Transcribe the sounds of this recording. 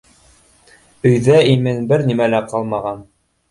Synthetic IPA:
ɵ̆jðæimɘnbɘɾnimælæqɑlˠmɑʁɑn

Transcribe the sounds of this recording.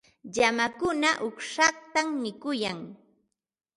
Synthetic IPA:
ʎamakʊnaʔʊkʂɑχt̪amːɪkʊjaŋ

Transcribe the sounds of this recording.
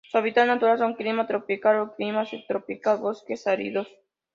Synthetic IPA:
swaβit̪alnat̪uɾalsoŋklimat̪ɾopikaloklimasit̪ɾopikalβoskesaɾḭðos

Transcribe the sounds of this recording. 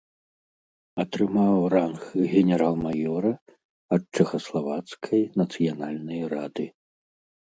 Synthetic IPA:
ɐt̪ɾɨmawranxɣʲɛnʲɛɾalˠmajɔɾɐ | ɐt̪̚t͡ʂɛxɐslˠavat̪skʰɐjnɐt̪sɨjanalʲnɐjɾa̰d̪ɨ

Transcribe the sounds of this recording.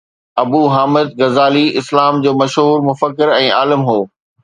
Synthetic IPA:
ɐbuːɦaːmɪd̪ɣɐzaːliɪslaːmd͡ʑoːmɐʃɦuːɾmʊfəkːɪɾɛ̃ːaːlɪmɦoː

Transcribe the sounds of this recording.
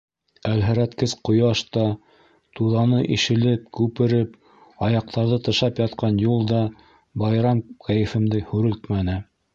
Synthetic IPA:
ælɦæ̆ɾæt̪kɘzqŏjɑʃt̪ɑ | t̪uðɑnɤʔiʃɘ̆lɘp̚kʉpɘ̆ɾɘp | ɑjɑq̚t̪ɑɾðɤt̪ɤ̆ʃɑpjɑt̪qɑnjulˠd̪ɑ | bɑjɾɑmkæjɘ̆fɘ̆md̪ɘhʉɾɘlt̪mænɘ

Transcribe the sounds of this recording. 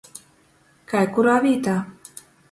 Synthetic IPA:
kajkuɾaβit̪a

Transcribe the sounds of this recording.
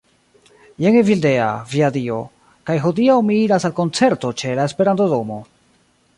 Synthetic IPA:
jeŋevilde̞a̰viadio̞ | kajɦo̞diawmiiɾasalko̞nt͡se̞ɾto̞t͡ʃe̞laespe̞ɾantodo̞mo̞

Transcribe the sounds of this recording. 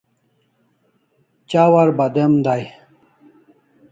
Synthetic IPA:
t͡ɕaːwaɾbɐd̪emd̪aj

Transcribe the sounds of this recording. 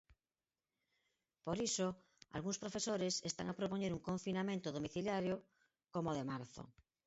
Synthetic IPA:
poɾiso | a̰lɣuŋspɾofesoɾesest̪a̰ŋapɾopoɲeɾuŋkoɱfinamẽnt̪oðomiθiljaɾjo | komoðemaɾθo̰

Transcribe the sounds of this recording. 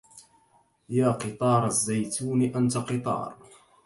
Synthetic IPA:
jaːqɨt̪ˤɑːɾˤazːajt̪ʰuːnɪʔant̪aqɨt̪ˤɑ̰ːɾˤ

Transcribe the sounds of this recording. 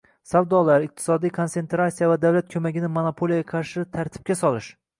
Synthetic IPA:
savd̪ɒlaɾɪq̚t̪ʰɪ̥sɒd̪ijkʰo̞ntse̞nt̪ɾasijavad̪awlat̪̚kʲʰɵmaɡʲɪnɪmonopʰolˠijaɡʲaqʰɑɾʃɪt̪ʰaɾt̪ʰɪ̥p̚kʲasɒlɪʃ

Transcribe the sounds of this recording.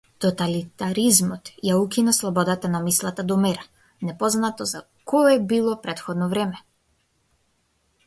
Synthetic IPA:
t̪ɔt̪alit̪aɾizmɔt̪jaukinaslˠɔbɔd̪at̪anamislˠat̪ad̪ɔmɛɾa | nɛpɔznat̪ɔza | kʰɔɛbilˠɔpɾɛt̪xɔd̪nɔvɾɛmɛ

